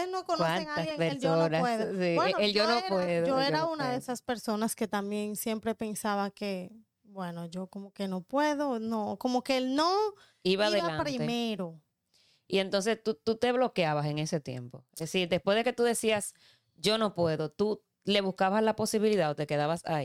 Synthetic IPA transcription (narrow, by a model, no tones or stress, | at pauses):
nokonwaneaaɡjseŋpeɾelsooonaweðsieeld͡ʒonopweðooeɾaunaðeesaspe̞ɾso̞naske̞t̪ambje̞nsje̞mpɾe̞pe̞nsaβake | bwe̞no̞ʝo̞komoke̞no̞pweðonoko̞mokeelno | iβaaiðeβalanɾiemeɾo̞ | ie̞nt̪o̞ns̬e̞st̪ut̪ut̪e̞βlo̞keaβase̞ŋe̞se̞t̪je̞̰mpo̞̰esiɾd̪e̞spwezðe̞ke̞t̪uðe̞sias | d͡ʒo̞no̞pwe̞ðot̪u | le̞βuskaβaslapo̞siβiliðaot̪e̞ke̞ðaβasa̰i